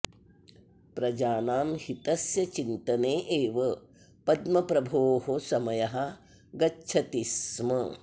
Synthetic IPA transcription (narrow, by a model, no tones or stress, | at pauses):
pɾɐd͡ʒaːnaːmhit̪ɐsjɐt͡ʃint̪ɐneːʔeːʋɐ | pɐd̪mɐpɾɐbʱoːɦosɐmɐjɐɦɐ | ɡɐt͡ʃʰɐt̪ismɐ